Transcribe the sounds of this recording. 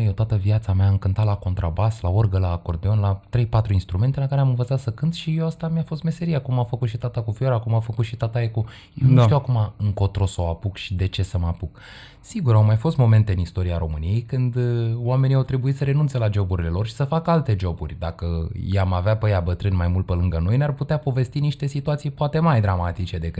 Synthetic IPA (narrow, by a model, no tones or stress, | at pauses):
jet̪at̪əviat̪sameaɨmkɨnt̪at̪lako̞nt̪ɾabaslaorɡəlako̞rd̪e̞o̞nlat̪ɾe̞jpat̪ɾuinst̪ɾume̞nt̪e̞lakaɾeamɨnvət̪sat̪səkɨnt̪ʃijewast̪amjafo̞st̪me̞se̞ɾijakumamfəkut̪ʃit̪at̪akufio̞ɾakumamfəkut̪ʃit̪at̪aeku | jewmmtt̪iwakumaɨŋko̞t̪ɾo̞sawapukʃid̪e̞t͡ʃe̞səmapuk | siɡuɾawmajfo̞st̪mo̞me̞nt̪e̞ɨnist̪o̞ɾiaɾo̞mɨnije̞jkɨnd̪oame̞niawt̪ɾebuit̪səɾe̞nunt̪selad͡ʒo̞buɾile̞lo̞rʃi̥səfakalt̪e̞d͡ʒo̞burʲd̪akəjamaveapəjabət̪ɾɨnʲmajmult̪̚pelɨŋɡəno̞jnearput̪eapo̞ve̞st̪iniʃt̪e̞sit̪uat̪sijpoat̪e̞majd̪ɾamat̪it͡ʃe̞d̪e̞kɨt̪